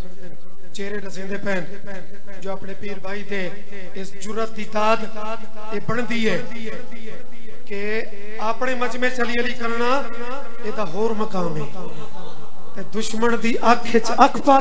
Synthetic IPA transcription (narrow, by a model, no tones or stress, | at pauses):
t͡ʃeːɾeːɖəsẽːd̪eːpɛːn | d͡ʒoːaːpɳeːpiːɾbʱaːiːd̪eː | ɪsd͡ʒʊɾət̪̚d̪iːt̪aːd̪ | eːbəɳd̪iːɛː | kɪ | aːpɳeːməd͡ʒmẽːt͡ʃəliːəliːkəɾnaː | eːd̪aːɦoːɾməkaːmɛː | t̪eːd̪ʊʃməɳd̪iːʔəkʰɪt͡ʃəkʰpaː